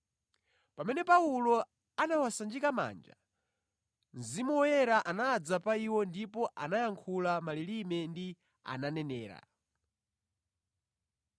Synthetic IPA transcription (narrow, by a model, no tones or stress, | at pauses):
pamɛnɛpaulɔ | anawasand͡ʒikama̰ːnd͡ʒa̰ | nzimuɛɾaʔanaːd͡zapaiwɔndipɔʔanajaŋkʰulamalilimɛndi | a̰nanɛnɛːɾa̰